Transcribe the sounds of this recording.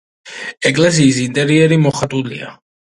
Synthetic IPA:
ɛkʼlɛs̬iːsint̪ʼɛɾiɛɾimɔχat̪ʼulḭa̰

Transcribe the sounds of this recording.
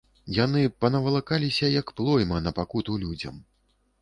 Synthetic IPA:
janɨpɐnɐvɐlˠakalʲisʲɐjɐkplˠɔjmɐnɐpakut̪ulʲud͡zʲɐ̰m

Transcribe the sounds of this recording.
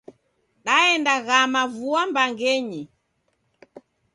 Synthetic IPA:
ɗaɛndaɣamavuambaŋɡɛɲi

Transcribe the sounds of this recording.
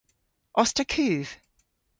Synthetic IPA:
ʔɔstəkʰʉːv̥

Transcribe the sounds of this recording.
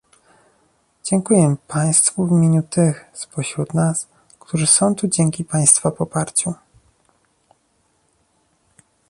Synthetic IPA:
d͡ʑɛŋkujɛpaj̃st̪fuvʲimʲjeɲut̪ɘxspɔɕɾut̪nas | kt̪ʰuʐɘsɔ̃w̃t̪ud͡ʑɛŋkʲipaj̃st̪fapɔpaɾt͡ɕu

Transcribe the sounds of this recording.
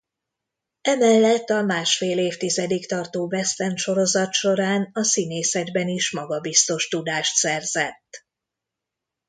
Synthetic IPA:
ɛmɛlːɛt̪ːɒmaːʃfeːleːft̪izɛd̪ikt̪ɒrt̪oːbɛst̪ɛnʃo̞ɾo̞zɒt̪ʃo̞ɾaːnɒsineːsɛd̪bɛniʃmɒɡɒbist̪o̞ʃt̪ud̪aːʃt̪sɛrzɛt̪ː

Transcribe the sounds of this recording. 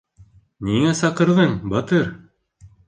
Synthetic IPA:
niŋæsɑqɤ̆ɾðɤɴbɑt̪ɤɾ

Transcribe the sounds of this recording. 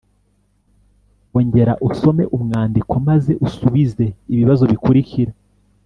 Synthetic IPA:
oɲɟe̞ɾaʔuso̞me̞ʔumŋaːndikamaze̞ʔusuβize̞iβiβazo̞βikuɾiciɾa

